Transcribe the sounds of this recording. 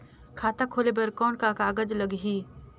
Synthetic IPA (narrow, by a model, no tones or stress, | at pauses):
kʰaːt̪akʰoːlebɐɾkɔːnkakaːɡəd͡ʒləɡɦiː